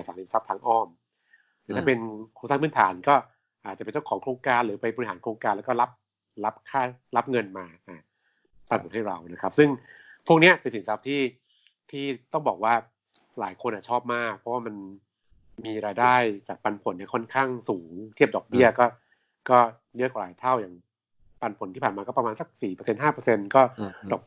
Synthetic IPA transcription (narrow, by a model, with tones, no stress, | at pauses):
a˨˩saː˩˦liː˧˩sa˦˥pt̪ʰaː˧ŋʔɔː˥˩m | ɛː˨˩t̪aː˥˩pe˧nkʰoː˧ŋsaː˥˩ŋpʰɯː˥˩t̪ʰaː˨˩˦nkɔː˥˩ | ʔaː˨˩t̪̚a˨˩pe˧nt͡ɕa˥˩kʰɔː˩˦ŋkʰɾoː˧ŋkaː˧nɾɯː˩˦pa˧jbɔ˧i˧haː˩˦nkʰɾoː˧ŋkaː˧nlːkɔː˥˩la˦˥p̚ | la˦˥p̚kʰaː˥˩la˦˥p̚ŋɤ˧nmaː˧ʔaː˨˩ | t̪a˨˧o˨˩˦nha˥˩jɾa˧wna˦˥kʰa˦˥p̚sɯ˥˩ŋpʰu˥˩k̚ni˦˥ɐpe˧nsi˨˩˦ŋsa˦˥p̚t̪ʰiː˥˩ | t̪ʰiː˥˩t̪ɔ˥˩ŋbɔː˨˩k̚waː˥˩ | laː˩˦jkʰo˧nʔaː˨˩t͡ɕʰɔː˥˩p̚maː˥˩k̚pʰɔ˦˥waː˥˩ma˧n | miː˧ɾaː˧jdaː˥˩jt͡ɕaː˨˩k̚pa˧npʰo˨˩˦nːa˥˩kʰɔ˥˩nkʰaː˥˩ŋsuː˩˦ŋt̪ʰi˥˩ədɔː˨˩k̚bi˥˩ɐkɔː˥˩ | kɔː˥˩ | jɯ˦˥kwa˨˩laː˨˦jt̪ʰa˥˩wjaː˨˩ŋ | pa˧npʰo˨˩˦nt̪i˥˩pʰaː˨˩nmaː˧kɔː˥˩pɾa˧mːaː˧nsa˨˩˦k̚siː˨˩pəː˧se˧nɦaː˥˩pɤː˧se˧nkɔː˥˩dɔː˨˩k̚